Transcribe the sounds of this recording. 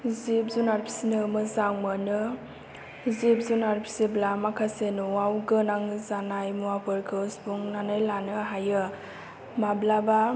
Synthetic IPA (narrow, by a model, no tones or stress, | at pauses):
zip̚zunaɾpʰi̥sinɯmɯzaŋmənɯ | zip̚zunaɾpʰi̥siblamakʰasenuwawɡɯnaŋzanajmuapʰɯɾkʰɯsbuŋnanajlanɯɦajɯ | mablaba